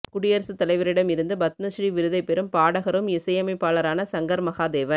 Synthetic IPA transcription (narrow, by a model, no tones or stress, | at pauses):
kʊɽɪjɐɾsɯt̪ːɐlɐɪʋɐɾɪɽɐmɪɾɯnd̪ɯbɐt̪nɐsriʋɪɾɯðɐɪpɛɾɯmpaːɽɐɣɐɾɯmɪsɐjɐmɐɪpːaːɭɐɾaːnɐsɐŋɡɐɾmɐɣaːd̪eːʋɐn